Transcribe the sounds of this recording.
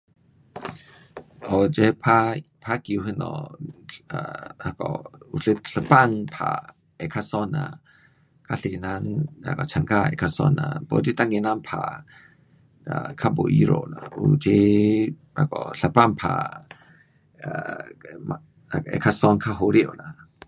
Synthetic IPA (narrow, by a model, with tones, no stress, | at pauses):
ʔɔd͡ʒɛ˦pʰapʰa˦ki˨u˧ɦɨ˦nɔ̰ | a˨kɔu˨ɬə˦ɬə˧pa˦ŋpʰa̰˨ | ɛ˨kʰa˧sɔ˦nːa˨ | kʰa˦ɬi˨na˧na̰˨ka˨t͡ʃʰa˨nka˦ɛ̰˨kʰa˧sɔ̰˦nːa̰˨bɔ˨di˦t̪a˦ŋi˨na˦npʰa | akʰa˦bu˨ʔi˦ɾo̰˨na˨ut͡ʃi˦ | a̰˨kɔ˨ɬə˨pa˦ŋpʰa̰ | ma | kʔɛ̰˨kʰa˦sɔ˦nkʰa˦ɦo˧ɾi˦ʔo˨na˨